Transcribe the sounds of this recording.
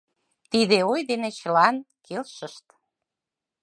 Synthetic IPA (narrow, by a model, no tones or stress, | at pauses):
t̪id̪eojd̪enet͡ɕəlɑnkelʃəʃt̪